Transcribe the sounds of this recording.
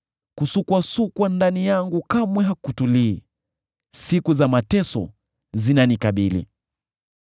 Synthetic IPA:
kusukwasukwandanijaŋɡukamwɛɦakutuliː | sikuzamatɛsɔ̰ | zinanikaɓilḭ

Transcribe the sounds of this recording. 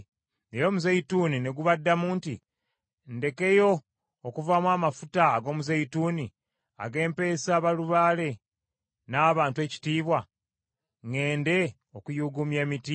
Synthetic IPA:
ejo̞ːmuzeitunine̞ɡuβadːamuːnti | nde̞ke̞jo̞ː | kuvamwaːmafutaːɡo̞ːmuzeituːni | a̰ɡe̞ːmpe̞ːsaːβaluβaːle̞ | naːβaːntwe̞ːci̥tiːβwa | ŋe̞ːnde̞ | okujuɡumje̞ːmiti

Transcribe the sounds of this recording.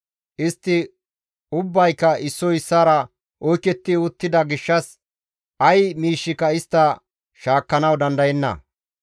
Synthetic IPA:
ʔɪst̪ːɪ | ʊbːɐjkːɐɪsːɔɪsːaːɾɐ | ʔɔjkɛt̪ːɪʊt̪ːɪd̪ɐɡɪʃːɐs | ɐjmiːʃːɪkɐɪst̪ːɐ | ʃaːkːɐnɐwd̪ɐnd̪ɐjɛnːɐ̰

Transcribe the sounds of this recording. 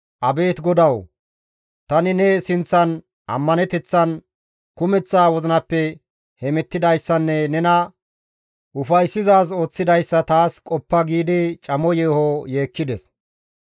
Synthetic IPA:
ʔɐbe̞ːt̪ɡɔd̪ɐw | t̪ɐnɪnɛsɪnt͡sːɐn | ʔɐ̰mːɐnɛt̪ɛt͡sːɐn | kʊmɛt͡sːaːwɔzɪnɐpːɛ | hɛmɛt̪ːɪd̪ɐjsːɐnːɛnɛnɐ | ʔʊfɐjsːɪzaːs̬o̞ːt͡sːɪd̪ɐjsːɐt̪aːskʼɔpːɐɡiːd̪ɪt͡ʃʼɐmɔjeːhoje̞ːkːɪd̪ɛs

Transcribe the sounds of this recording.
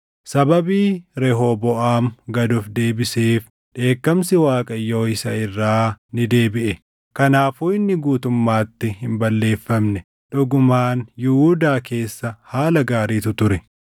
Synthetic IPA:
sɐbɐbiːɾɛɦoːbɔʔaːmɡɐd̪ʊfd̪e̞ːbɪseːf | ᶑe̞ːkːɐmsɪwaːkʼɐjːo̞ːɪsɐɪrːaːnɪd̪e̞ːbɪʔɛ | kɐnaːfuːɪnːɪɡuːt̪ʊmːaːt̪ːɪhɪmbɐlːe̞ːfːɐmnɛ | ᶑʊɡʊmaːnjʊhuːd̪aːke̞ːsːɐhaːlɐɡaːɾiːt̪ʊt̪ʊɾɛ

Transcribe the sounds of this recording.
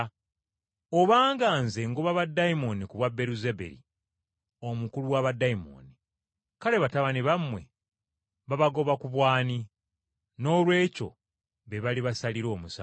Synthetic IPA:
oβaːŋɡaːnze̞ŋɡoβaβadːaimo̞nikuβwabe̞ɾuzebḛɾḭ | o̞mukuluwaβadːaimo̰ni | kaɾe̞βataβaniβamwe̞ | βaβaɡo̞βakuβwaːni | no̞ːlwe̞ːco̞̰ | βeβaliβasaliɾo̞ːmusa̰

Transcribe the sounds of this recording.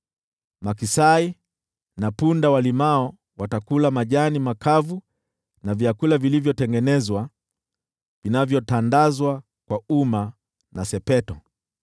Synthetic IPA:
makisai | napundawalimaɔ | watakulamaʄanimakavu | navjakulavilivjɔtɛŋɡɛnɛzwa | vinavjɔtandazwa | kwauma | nasɛpɛtɔ

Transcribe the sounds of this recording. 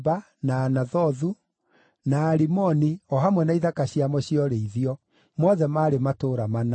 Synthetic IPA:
ba | naːnaðɔðu | naːɾimɔniɔɦamwɛnaiðakaɕiamɔɕiɔɾeiðiɔ | mɔðɛmaɾematoːɾamana

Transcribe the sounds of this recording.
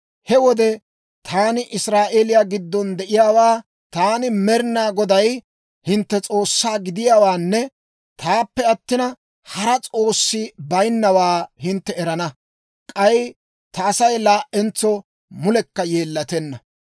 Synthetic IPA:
hɛwɔd̪ɛ | t̪ʰaːnɪʔɪsɾaːʔeːlɪjaːɡɪd̪ːɔnd̪ɛʔɪjaːwaː | t̪aːnɪmɛɾnaːɡɔd̪ɐj | hɪnt̪ːɛt͡sʼo̞ːsːaːɡɪd̪ɪjaːwaːnːɛ | t̪aːpːɛɐt̪ːɪnɐ | hɐɾɐt͡sʼo̞ːsːɪbɐjnːɐwaːhɪnt̪ːɛɛɾɐnɐ | kʼɐj | t̪ɐːsɐjlaːʔɛnt͡sːɔ | mʊlɛkːɐjeːlːɐt̪ɛnːɐ

